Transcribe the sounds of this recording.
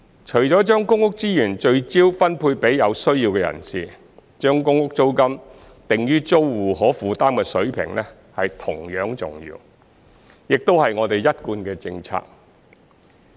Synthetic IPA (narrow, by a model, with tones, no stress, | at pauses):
t͡ʃʰɵ˨˩ɥt͡ʃɔː˨˥t͡ʃœː˥ŋkʊ˥ŋʊ˥k̚t͡siː˥jyː˨˩nt͡ʃɵ˧ɥt͡siː˥wfɐ˥npʰuː˧jpe˨˥jjɐ˨˧wsɵ˥ɥjiː˧wkɛ˧jɐ̰˨˩nsiː˨ | t͡ʃœː˥ŋkʊ˥ŋʊ˥k̚t͡so˥wkɐ˥m | t̪ɪ˨ŋjyː˥t͡so˥wːuː˨ɦɔː˨˥fuː˨˧t̪aː˥mkɛ˧sɵ˨˥ɥpʰɪ̰˨˩ŋlɛ˥ | hɐ˨jt̪ʰʊ˨˩ŋjœː˨˥ŋt͡sʊ̰˨ŋjḭː˧w | jɪ˨k̚t̪o˥whɐ˨jŋɔː˨˧t̪e˨jjɐ˥t̚kuː˧nkɛː˧t͡sɪ˧ŋt͡sʰa̰ː˧k̚